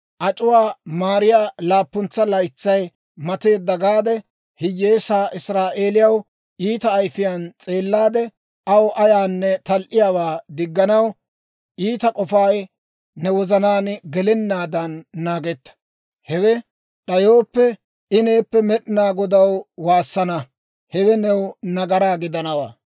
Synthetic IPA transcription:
ʔɐt͡ʃʼʊwaːmaːɾɪjaːlaːpːʊnt͡sːɐlɐjt͡sːɐj | mɐt̪e̞ːd̪ːɐɡaːd̪ɛ | hɪjːe̞ːsaːʔɪsɾaːʔe̞ːlɪjɐw | iːt̪ɐːjfɪjant͡sʼe̞ːlːaːd̪ɛ | ʔɐwʔɐjaːnːɛt̪ɐlʔɪjaːwaːd̪ɪɡːɐnɐw | ʔiːt̪ɐkʼɔfaːj | nɛwɔzɐnaːnɡɛlɛnːaːd̪ɐnːaːɡɛt̪ːɐ̥ | hɛwɛ | ɗɐjo̞ːpːɛ | ɪneːpːɛmɛɗɪnaːɡɔd̪ɐwwaːsːɐnɐ | hɛwɛnɛwnɐɡɐɾaːɡɪd̪ɐnɐwa̰ː

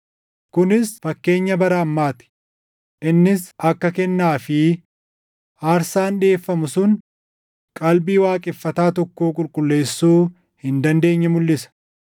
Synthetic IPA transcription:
kʊnɪsfɐkːe̞ːɲːɐbɐɾɐːmːaːt̪ɪ̥ | ʔɪnːɪsɐkːɐkɛnːaːfɪ | ʔaːɾsaːnᶑe̞ːfːɐmʊsʊn | kʼɐlbiːwaːkʼɪfːɐt̪aːt̪ɔkːoːkʼʊlkʼʊlːe̞ːsːuː | hɪnd̪ɐnd̪e̞ːɲːɐmʊlːɪsɐ̥

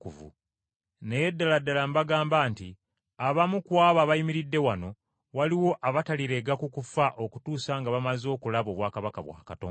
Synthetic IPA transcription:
kuvṵ | ne̞jedːaladːalambaɡaːmbaːnti | aβamukwaːβaβajimiɾidːe̞wano̞ | waliwo̞ʔaβataliɾe̞ɡakukufaʔokutuːsaŋɡaβamazo̞ːkulaβo̞ːβwaːkaβakaβwa̰ːkatoː

